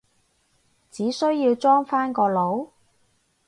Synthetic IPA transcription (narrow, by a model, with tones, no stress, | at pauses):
t͡siː˨˥sɵ˥ɥjiː˧wt͡sɔː˥ŋfaː˥nkɔː˧lo˨˥w